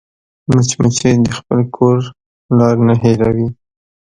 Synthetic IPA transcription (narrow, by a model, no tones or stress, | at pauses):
mat͡ʃmat͡ʃed̪əxpəlkʰoɾ | lɑɾnaɦeɾawi